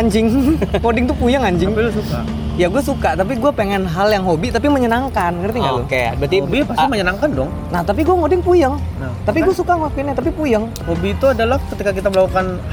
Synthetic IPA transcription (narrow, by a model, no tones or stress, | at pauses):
aɲd͡ʒɪŋkodɪŋt̪upujəŋaɲd͡ʒɪŋsuka | jaɡuasukat̪ap̬iɡuapeŋɛnɦaljaŋɦobit̪apiməɲənaŋkankərt̪iŋɡalʊkaja̰bət̪iipasiməɲənaŋkandɔŋ | naht̪ap̬iɡuaŋodɪŋpujəŋn | t̪ap̬iɡuasukaŋwakinɲat̪apipujəŋ | hobit̪uadalahkət̪ikakit̪abəlakukan